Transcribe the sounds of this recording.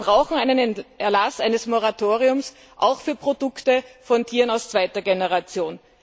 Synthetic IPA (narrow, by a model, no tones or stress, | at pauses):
bʁaʊxŋ̩æɪnənʔɛɐlasʔaɪnəsmoʁatʰoːʁiʊms | ʔa̰ʊxfyːɐpʁ̥odʊktəfɔntʰiːʁənaʊst͡sv̥aɪtɐɡenəʁat͡sjoːn